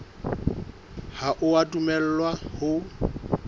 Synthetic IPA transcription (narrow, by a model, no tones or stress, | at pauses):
haʔʊatʼumɛl̩lwahʊ